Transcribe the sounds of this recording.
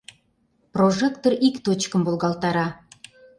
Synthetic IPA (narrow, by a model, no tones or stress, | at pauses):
proʒekt̪orikt̪ot͡ɕkə̆mbolˠɣɑlt̪ɑɾɑ